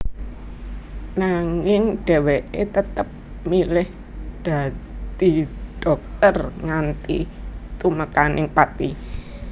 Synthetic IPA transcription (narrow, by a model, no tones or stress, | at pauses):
naŋɪŋɖ̥ɛ̤weʔet̪ət̪əp̚ | milɪh | d̪̥a̤d̪̥iɖ̪̥ɔk̚t̪ərŋant̪ḭ | t̪uməkanɪŋpat̪i